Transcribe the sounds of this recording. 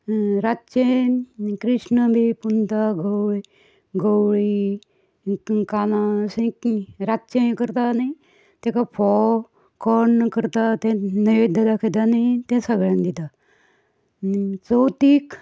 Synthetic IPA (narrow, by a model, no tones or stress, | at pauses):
ɾatːɕe | kɾiʂnəbʱipunt̪aɡowɭi | ɡəwɭi | kanasẽɾatːɕẽkəɾt̪anai | t̪ɛ̃kapʰɔ | kɔɳkəɾt̪at̪ɛ̃nəʋed̪ʱəd̪akʰet̪anait̪ɛ̃səɡɭãnd̪it̪a | t͡səwt̪iːk